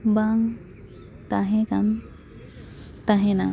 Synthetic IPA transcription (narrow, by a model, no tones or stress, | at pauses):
baŋ | t̪aɦɛ̃kan | t̪aɦɛna